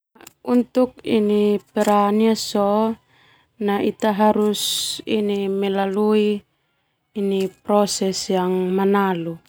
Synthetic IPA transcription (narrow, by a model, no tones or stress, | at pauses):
unt̪uk̚ḭnipɛɾaniasɔ | nait̪aɦaɾusinimɛlaluiː | nipɾɔsɛsjaŋmanalu